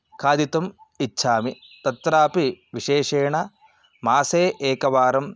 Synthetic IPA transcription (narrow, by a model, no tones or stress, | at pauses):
kʰaːd̪it̪ɐmitːʃʰaːmit̪ɐt̪ɾaːpiʋiʃeːʂeːɳɐ | maːseːʔeːkɐʋaːɾɐm